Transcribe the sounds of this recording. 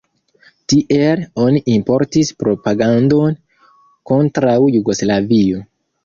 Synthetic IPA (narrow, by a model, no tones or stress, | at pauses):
tiʔelo̞niʔimpo̞ɾtispɾo̞paɡando̞n | ko̞ntɾawjuɡo̞slavio̞